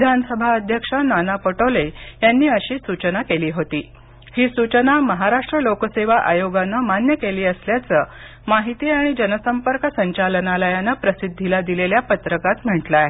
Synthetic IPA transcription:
ʋid̪ʱanəsəbʱaəd̪ʱjəkʂananapoʈolejanːiːəɕiːsut͡ɕənakeliːɦot̪iː | hiːsut͡ɕənaməɦaɾaʂʈɾəlokəseʋaʔajoɡanːəmanjəkeliːəsljat͡səː | maɦit̪iːaɽ̃id͡ʑənəsəmpəɾkəsəɲt͡ɕalənaləjanəpɾəsid̪ʱːilad̪ileljapət̪ɾəkat̪m̤əɳʈlaj

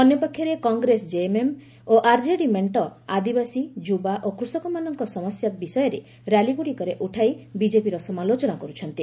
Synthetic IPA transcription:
ɔnjɔpɔkʰːjɔɾekɔŋɡɾesd͡ʒeemem | oʔaɾd͡ʒeɽimeɳʈɔad̪ibasid͡ʒubaʔokɾusɔkɔmanɔŋkɔsɔmɔsjabisɔjɔɾe | ɾaliɡuɽikɔɾeʔuʈʰajbid͡ʒepiɾɔsɔmalot͡ʃɔnakɔɾut͡ʃʰɔnt̪i

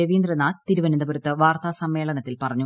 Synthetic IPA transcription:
eʋiːnd̪rɐnːaːt̪iɾuʋɐnind̪ɐbuɾut̪ːɨʋaːrt̪aːsɐmːe̞ːɭɐnɐt̪ːilpɐrɐɲːu

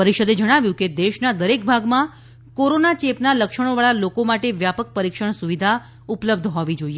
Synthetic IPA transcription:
pəɾiʃəd̪ed͡ʒəɽ̃aʋjũked̪eʃnad̪əɾek̚bʱaɡmã | koɾonat͡ʃepnaləkʃəɽ̃oʋaɭalokomaʈeʋjapək̚pəɾikʃəɳ̃suʋid̪ʱa | upləb̚d̪ʱɦɔʋid͡ʒoie

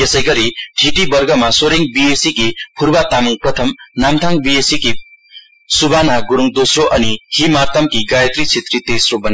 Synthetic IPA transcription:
esʌjɡʌɾiʈʰiʈibʌrɡʌmasoɾiŋbiesikipʰurbat̪amuŋprʌt̪ʰʌmnamt̪ʰaŋbiesiki | subʱanaɡuɾuŋd̪osroʔʌnihimart̪ʰʌmkiɡajʌt̪rit͡sʰet̪rit̪esrobʌn

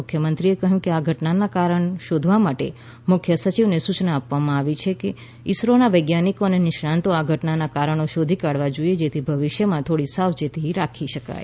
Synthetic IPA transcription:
ʊkʰjəmənt̪ɾiekəɦjũkeaɡʱəʈnanakaɾəɳʃod̪ʱʋamaʈḛ | mʊkʰjəsət͡ʃiʋnesut͡ʃnaːpʋamãaʋit͡ʃʰeke | ɪsɾonaʋəjɡjanikonenɪʃɾãnt̪oaɡʱəʈnanakaɾəɳ̃oʃod̪ʱikaɽʋad͡ʒoied͡ʒet̪ʰibʱəʋɪʃjəmãt̪ʰoɽisaʋd͡ʒet̪ʰiɾakʰiʃəka̰j

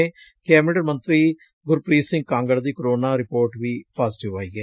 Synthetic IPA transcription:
e | kɛːmɪɾəɖəɾmə̃nt̪ɾiː | ɡʊɾpɾiːsɪ̃ŋɡ̚kãːŋɡəɭd̪iːkɾoːnaːɾɪpoːɾʈʋiːpaːzɪʈɪʋaːiɡɛː

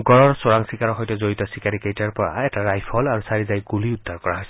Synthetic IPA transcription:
ɡɔɹɔɹsoɹaŋsikaɹɔxɔjtɛzoɹitɔsikaɹikejtaɹpɔɹa̰ɛtaɹajpʰɔlaɹusaɹizajɡuliudd̪ʱaɹkɔɹaɦojsɛ

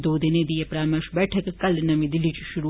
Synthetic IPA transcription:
d̪oːd̪ined̪ijepɾaːmeʃbɛːʈʰɐkkɐlnɐmĩd̪ɪlːit͡ʃiʃuɾu

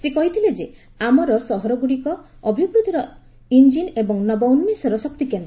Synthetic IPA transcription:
sekɔɦit̪ʰiled͡ʒe | amɔɾɔsɔɦɔɾɔɡuɽikɔːbʱibɾud̪ʱiɾɔ | ind͡ʒinebɔŋnɔbɔwnmesɔɾɔsɔk̚t̪ikend̪ɔ

